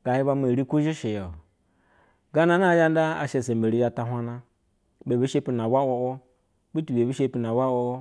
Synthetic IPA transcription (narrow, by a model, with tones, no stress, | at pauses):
ɡ̥a˨ji˦ba˦me˨ɾi˦ku˦ʒi˦ʃe˨jo˨ | ɡa˦na˨˦na˦˨ja˦n˦da˦a̰˨ʃe˨se˨m˨be˨ɾi˦a˦ta˨ɦʷa˦na˦ | be˨be˦ʃe˦pi˦n˨a˨wa˦o˨wo˦ | bi˦tu˨be˨bi˦ʃe˦pi˨na˨wa˦wo˦o˦